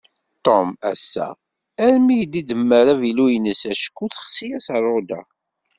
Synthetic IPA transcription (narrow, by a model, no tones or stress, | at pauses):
t̪ˤomæsːæ̰ | æɾmijd̪id̪əmːəɾævilujənəsæʃə̥kːuθχsijæsərˤːod̪æ̰